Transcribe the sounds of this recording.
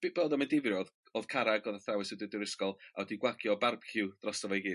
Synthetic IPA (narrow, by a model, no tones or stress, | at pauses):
b̥b̥ɔðɔmɪndɪvrɔð | ɔð̥kʰaɾaɡɔðaθawɨsɔdɪdɨɾəskɔlˠaɔdiɡwaɡjɔbarb̥kʰɪwd̥rɔsavɔiɡɨ